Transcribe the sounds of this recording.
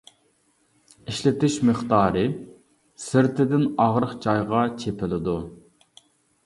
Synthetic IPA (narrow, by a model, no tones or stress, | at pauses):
iʃlɪt̪ɪʃməχt̪ɑːɾɨ | sɪɾt̪ʰɪd̪ɪnɑʁɾəqt͡ʃʰɑjʁɑt͡ʃʰepʰɪlɪd̪u